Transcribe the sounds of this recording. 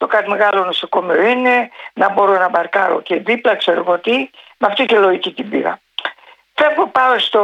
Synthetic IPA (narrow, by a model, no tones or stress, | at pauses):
t̪o̞kɐt̪ime̞ɣɐlonosokomeoinenɐbo̞ɾo̞nɐbɐɾkɐɾo̰ceðiplɐkseɾoɣot̪i | mɐft̪iceloicit̪ibiɣɐ̰ | fepopɐost̪o